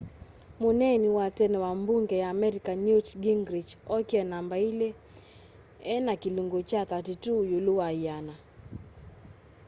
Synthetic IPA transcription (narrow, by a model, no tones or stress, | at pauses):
munɛniwatɛnɛwambuŋɡɛjaːmɛɾikanutɡiŋɡɾid͡ʒɔkiɛnambailɛ | ɛnakiluŋɡɔt͡ʃatatitujuluaijana